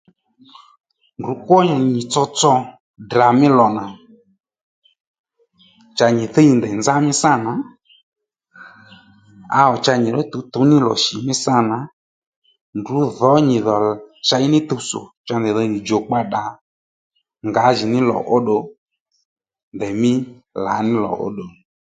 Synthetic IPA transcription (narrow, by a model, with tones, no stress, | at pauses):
ndu˨˦kwɔ˦ɲɔ˨ɲi˨t͡sɔ˧t͡sɔ˧ | da˨mɪ˦lɔ˨na˨ | t͡ʃa˧ɲi˨θe˦i˧nd̪ɛ˨nd͡za˦mɪ˦sa˦˨na˨˦ | a̰˧ɔ˨t͡ʃa˧ɲi˨ɾɔ˦t̪u˧t̪u˨˦nɪ˦lɔ̰˨ʃi˨mɪ˦sa˦˨na˨˦ | ndu˨˦ðɔ˨˦ɲi˨ðɔ˨t͡ʃa˧i˦nɪ˦t̪u˧so̰˨t͡ʃa˧ndɛ˨ðɔ˨˧ɲi˨d͡ʒo˨k͡pa˧ɗa˨ | ŋɡa˨˦ʒi˨nɪ˦lɔ̰˨ʔo˦ɗo˧ | ndɛ˨mɪ˦ | la̰˨˦nɪ˦lɔ̰˨ʔo̰˦ɗo˨